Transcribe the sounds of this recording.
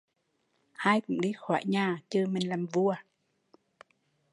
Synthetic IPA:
haː˧jkʊ̰˧˥ŋ͡mɗi˧xwa̰ː˧˩˦jɲaː˨˩t͡ɕɨ˧mï˨˩ŋ̟laː˨˩mvu˧ə

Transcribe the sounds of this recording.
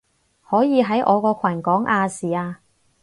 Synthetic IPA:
hɔː˨˥jiː˨˧ɦɐ˨˥jʔɔ̰ː˨˧kɔː˧kʷʰɐ˨˩nkɔː˨˥ŋʔaː˧siː˨˩aː˧

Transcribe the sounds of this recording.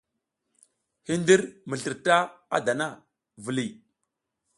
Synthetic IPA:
hi˦ndi˦ɾmə˨ɬə˨ɾta˦a̰˦da˨na˦˨ | və˨li˨

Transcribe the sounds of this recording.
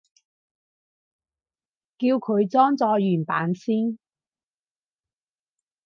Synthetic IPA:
kiː˧wkʰɵ˨˧ɥt͡sɔː˥ŋt͡sɔː˧jyː˨˩npa̰ː˨˥nsiː˥n

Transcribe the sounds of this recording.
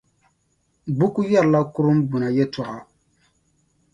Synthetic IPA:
bu˦ku˦jɛ˦ɾla˦kʊ˦ɾʊ˦m˦bu˨na˨jɛ˦tɔ˨ɣa˨

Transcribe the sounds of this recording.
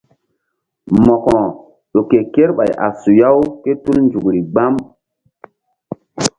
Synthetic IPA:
mɔ˨kɔ˨ | ɗo˨ke˨ke˦ɾɓa˨jʔa̰˨su˨ja˦wke˦tu˦lnd͡ʒu˨kɾi˨ɡ͡ba˦m

